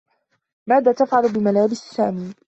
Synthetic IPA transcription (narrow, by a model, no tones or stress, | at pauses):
maːðaːt̪afʕalʊbɪmalaːbɪssaːmiː